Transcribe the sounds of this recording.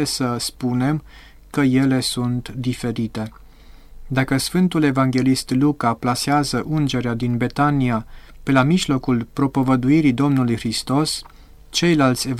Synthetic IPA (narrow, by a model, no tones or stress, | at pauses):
esəspune̞m | kəje̞le̞sunt̪d̪ife̞ɾit̪e̞ | d̪akəsfɨnt̪ule̞vaŋɡʲe̞list̪lukaplaseazəʔund͡ʒe̞ɾead̪inbe̞t̪ania | pe̞lamiʒlo̞kulpɾo̞povəd̪uiɾid̪o̞mnulujxɾist̪o̞s | t͡ʃe̞jlalt̪sʲe